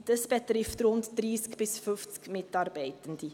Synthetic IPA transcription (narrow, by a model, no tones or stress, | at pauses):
d̥əsbətrɪftrɔntdriːskbɪsfœftskmɛtɑrbəjtəndi